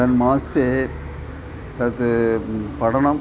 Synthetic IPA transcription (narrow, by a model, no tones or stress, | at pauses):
ɐnmaːse | t̪ɐt̪ːɯpɐɽɐnɐ